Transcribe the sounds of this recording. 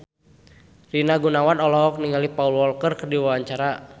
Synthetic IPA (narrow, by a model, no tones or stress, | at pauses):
rinaɡunawanɔlɔɔk̚niŋalipaulwɔlkərkərdiwawaɲt͡ʃaɾa